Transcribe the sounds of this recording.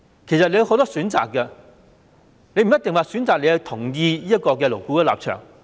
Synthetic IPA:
kʰe˨˩sɐ˨t̚le˧ho˨˧wt̪ɔː˥syː˨˥nt͡sa̰ː˨kːɐ˧ | ne˧˥m̩˨˩jɐ˥t̪ɪ˨ŋwaː˨˩syː˨˥nt͡saː˨k̚le˨˧jhɐ˧t̪ʰʊ˨˩ŋjiː˧jiː˥jɐ˥t̚kɔː˧kɛː˧lo˨˩wku˧˥kɛː˧la̰ː˨p̚t͡ʃʰœ̰ː˨˩ŋ

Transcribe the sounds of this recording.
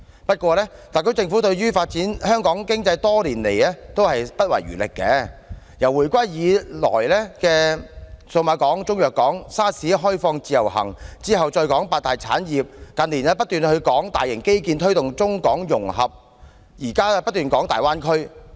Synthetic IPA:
pɐ˥t̚kʷɔː˧lɛː˥t̪aː˨˩kʰɵ˥t͡sɪ˧ŋfu˨˥t̪ɵ˧ɥɥyː˥faː˧t̚t͡siː˨˥nhœː˥ŋkɔː˨˥ŋkɪ˥ŋt͡sɐ˧jt̪ɔː˥liː˨˩nlḛ˨˩jlɛː˥t̪o˥whɐ˨jpɐ˥t̚wɐ̰˨˩jɥy̰ː˨˩lɪ̰˨kːɛː˧ | jɐ˨˩wuː˨˩jkʷa˥jjiː˨˧lɔ̰ː˨˩jlɛː˥kɛː˧so˧wmaː˨˧kɔː˨˥ŋt͡sʊ˥ŋjœː˨kːɔː˨˥ŋsaː˥siː˨˥ɦɔː˥jfɔː˧ŋt͡siː˧jɐ̰˨˩wɦɐ̰˨˩ŋt͡siː˥ɦɐ˨wt͡sɔː˧jkɔː˨˥ŋpaː˧t̚t̪aː˨jt͡sʰa̰ː˨˥njiː˨p̚kɐ˨nliː˨˩nɛː˥pɐ˥t̚t̪yː˨nhɵ˧ɥkɔː˨˥ŋt̪aː˨jːɪ˨˩ŋke˥jkiː˧nt̪ʰɵ˥t̪ʊ˨ŋt͡sʊ˥ŋkɔː˨˥ŋjʊ˨˩ŋɦɐ˨p̚ | jiː˨˩kaː˥pɐ˥t̚t̪yː˨nkɔː˨˥ŋt̪aː˨jwaː˥nkʰɵ˥ɥ

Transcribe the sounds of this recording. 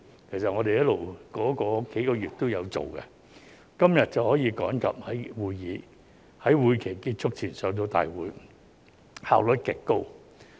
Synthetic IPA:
kʰe˨˩jsɐ˨t̚ŋɔː˨˧ɾe˨jɐ˥tlo˨wkɔː˨˥kɔː˧ke˨˥jkɔː˧jyː˨t̚t̪o˥wjɐ˨˧wt͡so̰˨˩wkɛ̰˧ | kɐ˥mjɐ˨t̚t͡sɐ˨whɔː˨˥jiː˧kɔː˨˥ŋkɐ̰˨p̚hɐ˨˥jwuː˨˧jːiː˨˧ | hɐ˨˥jwuː˨˧jkʰe˨˩jkiː˧t̚t͡ʃʰʊ˥k̚t͡sʰiː˨˩nsœː˨˧ŋt̪̬o˧wt̪a̰ː˨jwuː˨˥j | ha̰ː˨wlɵ˨˥t̚kɪ˨˩kkːo˥w

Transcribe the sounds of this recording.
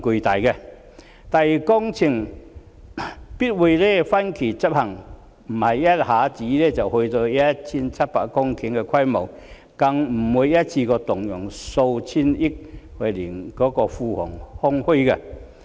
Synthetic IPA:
ku˧t̪a˨jɡe˧ | t̪a˨˩i˨˧kɔ˦ŋt͡ɕʰi˧˩ŋ | pi˦t̚we˧le˥˦fa˦nkʰi˨˩t͡ɕa˦˥p̚ha˨˩ŋ | m̩˨˩ma˨jja˦tha˨˦t͡ɕi˨˦le˦˧t͡ɕa˨˩whwe˧jt̪oː˧ja˦t͡ɕʰi˧nt͡sʰa˦p̚pa̰˨˩kɔ˦ŋkʰi˨˧˦ŋe˧kʰwa˥˧jmo˨˩˨ | ka˧ŋm̩˨˩wu˧jja˦t͡ɕʰi˧kɔ˧t̪ʊ˨˩ŋjɔ˨˩ŋso˧wt͡ɕʰi˧ni˦k̚hwe˧li˨˩ŋkɔ˨˦kɔ˧fu˧hɔ̰˨˩ŋhɔ˦ŋhu˦˧ɡe˧˩

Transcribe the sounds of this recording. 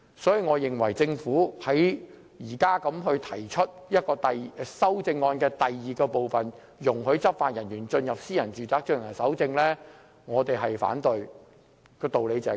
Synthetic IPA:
sɔː˨˥jiː˨˧ŋɔː˨˧jɪ˨˩ŋwɐ˨˩jt͡sɪ˧ŋfuː˨˥hɐ˨˥j | jiː˨˩kaː˥kɐ˨˧˥mɦɵ˧ɥt̪ʰɐ˨˩jt͡ʃʰɵ˥t̚jɐ˥t̚kɔː˧t̪ɐ˨jsɐ˥wt͡sɪ˧ŋːɔː˧nkɛː˧t̪ɐ˨jːiː˨kɔː˧po˨wfɐ˨n | jʊ˨˩ŋɦɵ˨˧ɥt͡sɐ˥p̚faː˨t̚jɐ˨˩njyː˨˩nt͡ʃɵ˧njɐ˨p̚siː˥jɐ˨˩nt͡ʃyː˨˩t͡saː˨˥k̚t͡ʃɵ˧nnɐ˨˩sɐ˨˥wt͡sɪ˧ŋlɛː˥ | ŋɔː˨˧t̪e˨jɦɐ˨jfa̰ː˨˥nt̪ɵ˨ɥ | kɔː˧t̪o˨wle˨˧jt͡sɛː˨˦˥

